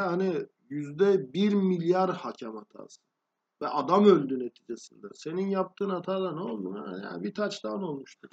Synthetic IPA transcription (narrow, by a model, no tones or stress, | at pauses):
hani | jyzd̪ɛbiɾmilʲjaɾhacʰamat̪ʰa̰ːsɯ̥ | vɛʔad̪amø̞lʲd̪yne̞t̪ʰiːd͡ʒesind̪ɛ̰se̞ninjap̚t̪ʰɯːnat̪ʰaːd̪anolˠmua̰a̰jja̰bit̪ʰat͡ʃt̪ano̞lˠmuʃt̪ʰuɾ